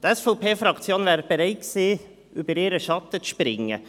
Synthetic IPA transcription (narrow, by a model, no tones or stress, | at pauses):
d̪̥ɛsfəʊpʰeːfɾɑkt̪sɪjoːnʋæːɾb̥əɾeɪksiː | ʔʉːbəɾeːɾəʃɑt̪ːət̪ʃpɾɪŋːə̰